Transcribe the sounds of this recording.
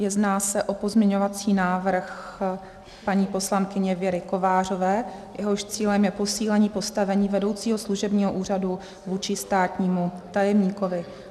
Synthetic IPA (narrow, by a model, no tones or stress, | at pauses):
jɛznaːsɛʔo̞po̞zmɲɛɲo̞vat͡siːnaːvr̩x | paɲiːpo̞slankɪɲɛvjɛɾɪko̞vaːr̝o̞vɛːjɛɦo̞ʃt͡siːlɛmjɛpo̞siːlɛɲiːpo̞st̪avɛɲiːvɛdo̞wt͡siːɦo̞sluʒɛbɲiːɦoʔuːradu | vuːt͡ʃɪst̪aːt̪ɲiːmut̪ajɛmɲiːkovɪ